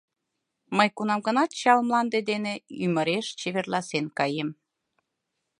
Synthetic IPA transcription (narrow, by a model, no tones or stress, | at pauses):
məjkunɑmɡə̆nɑt̪t͡ɕɑlmlɑnd̪ed̪eneyməɾeʃt͡ɕeβerlɑsenkɑjem